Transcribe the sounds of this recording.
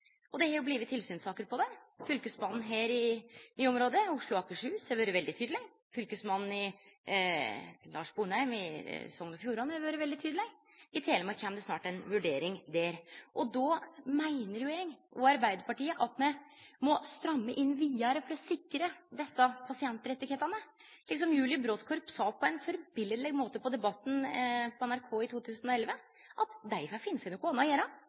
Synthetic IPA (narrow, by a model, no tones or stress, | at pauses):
ʔɔd̪ɛhɑɾjʊbliːʋət̪ʰɪlsyːnsɑːkəɾpɔd̪ɛfʏlkəsmɑnn̩ɦeːɾɪyːɔmɾoːd̪əʊʂɭʊɑːkəʂʉːsɛʋøːɾəʋɛld̪ɪt̪ʰyːd̪lɪ | fʏlkəsmɑnn̩ɪ | lɑːʂbuːnæɪmɪ̰sɔŋənɔfjuːɾɑnːɛʋøːɾəʋɛld̪ɪt̪ʰyːd̪əlɪɡ | ɪt̪ʰeːləmɛkʰɛmd̪ɛsnɑːʈɛnʋʉɖeːɾɪŋd̪æːɾʔɔd̪ɔmæɪnəɾjʊɛːɡʔɔɑɾbæɪd̪əɾpɑʈiːəʔɑt̪mɛmɔst̪ɾœmːəʔɪnːʋiːɑɾəfɔɾɔsɪkːɾəd̪ɛsːɑpʰɑsɪɛnt̪ːəɾɛt̪ːɪɡheːt̪ɑnə | lɪksɔmjʉːlɪəbɾoːt̪kʰɔɾpsɑpʰɔɛnfɔɾbɪləd̪lɛɡmoːt̪əpɔd̪ɛbɑt̪ːn̩pʰɔɛnæɾkʰoːɪt̪ʰuːt̪ʰʉːsənɔɛlʋə | ʔɑt̪d̪æɪfɑfɪnːəsæɪnʊkːʊɑnɑjeːɾɑ